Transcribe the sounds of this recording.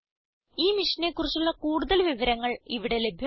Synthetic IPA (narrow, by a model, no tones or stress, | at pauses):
iːmiʂɐne̞kːurit͡ɕːuɭːɐkuːɽuðɐlʋiʋɐɾɐŋːɐɭiʋiɽe̞le̞bʱjɐ